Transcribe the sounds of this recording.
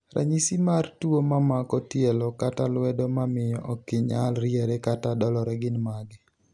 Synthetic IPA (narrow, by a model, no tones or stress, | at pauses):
ɾa̰ɲisimartuomamakɔtjɛlɔkatalwɛdomamɪjɔʔɔkɪɲa̰lɾjɛɾɛkatadɔlɔɾɛɡɪnmaɡɪ